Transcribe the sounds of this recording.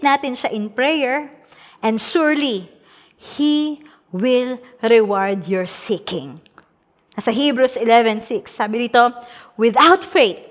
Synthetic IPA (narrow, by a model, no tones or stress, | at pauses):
naːt̪ɪnʃaʔɪnpɹɛjɛɹʔɛ̃nd̪ʃuɹli | hi | wɪlɾɛwaɹd̪jɔɹsikɪ̃ŋ | nɐsɐɦibɹusʔɪlɛvɛ̃nsɪksːaːbɪɾiːt̪o | wɪðawt̪feɪt̪̚